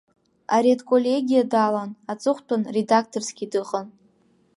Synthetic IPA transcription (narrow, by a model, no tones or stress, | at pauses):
aɾedkʼolʲeɡʲijadalanat͡sʼɨχʷtʰʊnredak̚ʰtʰʼorsɡʲidɨχʼən